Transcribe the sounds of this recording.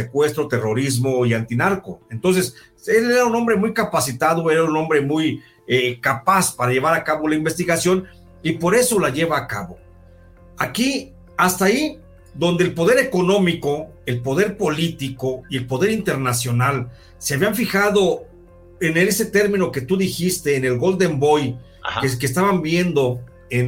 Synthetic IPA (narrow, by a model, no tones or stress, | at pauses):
sekwe̞st̪ɾot̪e̞ro̞ɾizmo̞iant̪inaɾko̞e̞nt̪o̞ns̬e̞s | eeɾauno̞mbɾemujkapasit̪aðo̞e̞ɾauno̞mbɾe̞muj | ekapaspaɾaʝe̞βaɾakaβo̞laimbe̞st̪iɣasjo̞n | ipo̞ɾe̞so̞laʝe̞βaːka̰βo̞ | aki | ast̪ai | ðo̞nd̪eːlpo̞ð̞e̞ɾe̞ko̞nõ̞miko̞e̞lpo̞ð̞e̞ɾpo̞lit̪iko̞ie̞lpo̞ðe̞ɾint̪e̞ɾnasjo̞nal | seaβjaɱfixaðo̞ | eneese̞t̪e̞ɾmĩno̞ke̞t̪uðixist̪e̞ːne̞lɣo̞ld̪e̞mbo̞j | ekes̬t̪aβambje̞nd̪o̞ | en